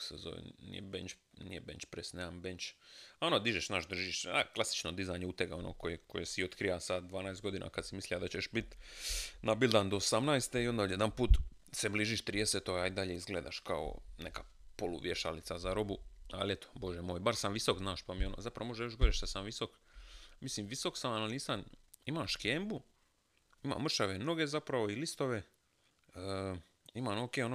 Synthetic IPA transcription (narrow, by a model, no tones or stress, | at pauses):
sḛzo̰ʋḛnḭjebent͡ʃnḭjebḛnʲt͡ʃpɾesneambent͡ʃaonod̪iʒeʃnaʃd̪r̩ʒiʃt͡ʃea̰klasi̥t͡ʃnod̪izajɲeut̪eɡao̞no̰kojekojesiot̪kɾiʋasad̪̚d̪ʋaːnajst̪ɡo̞d̪iːnʔa̰kad̪simislʲijad̪at͡ɕeʃbit̪ | nabilˠd̪and̪o̞osamnajst̪eio̞nd̪aoje̞d̪anpuːt̪ | sebliːʒiʃt̪ɾiːd̪eset̪ojaid̪aʎeizɡleːd̪a̰ʃkao̰nḛkaː | polṵʋjeʃa̰lḭt̪sazaɾobua̰let̪o̥bo̞ʒemo̞ːjbaɾsamʋisokznaːʃpamionozapɾa̰o̞ʒejoʃɡoɾeʃt̪asamʋiso̞k | misimʋiso̞ksamaalniːsan | imaʃkeːmbu | ima̰ːmr̩ʃaʋeno̞ɡe̞zapɾaʋoilist̪o̞ʋe̞ | imanoːkeːono